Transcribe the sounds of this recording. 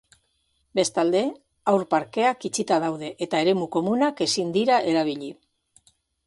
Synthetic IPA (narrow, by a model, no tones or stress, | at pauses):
be̞st̪ald̪e̞ | awɾpaɾke̞akit͡ʃit̪aðawð̞e̞ʔet̪ae̞ɾe̞muko̞munake̞sind̪iɾaʔe̞ɾaβ̞iʎi